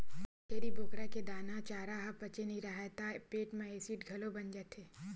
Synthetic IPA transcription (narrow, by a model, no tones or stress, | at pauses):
keːɾibʱoːkɾaked̪aːnat͡ʃaːɾaɦapɐt͡ʃeniɾɐɦat̪apeːʈmẽeːsiːʈɡʱɐlobɐnd͡ʒət̪ʰeː